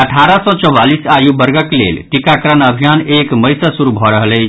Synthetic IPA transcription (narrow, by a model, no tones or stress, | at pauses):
əʈʰaɾəsɔ̃t͡ʃɔwalisajubəɾɡəklḛlʈikakɾənəbʱijanekməjsasuɾubʱɔɾəɦələt͡ʃʰ